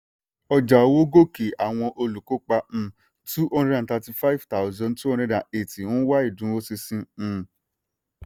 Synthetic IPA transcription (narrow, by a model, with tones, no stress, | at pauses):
ɔ˧d͡ʒa˨o˨˧˦wo˦ɡo˦˨ke˨a˨w̃ɔ̃˧ʔo˧lu˨ko˦k͡pã˧ | tu˦ɔ̃˦˧nɾɛ˦ã˨ta˧ti˧fa˦i˦vta˨ʊ˨zɔ̃˧ntu˦ɔ̃˧˦ɾɛ˧˦da˨e˨ti˨wɔ̃˦wa˦i˦˨dũ˨˦o˦si˧sĩ˧˨